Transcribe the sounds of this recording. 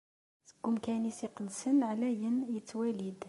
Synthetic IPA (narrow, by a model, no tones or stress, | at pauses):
θəɡʊmkænisiqlsənːʕlæjənjət̪ːwælid̪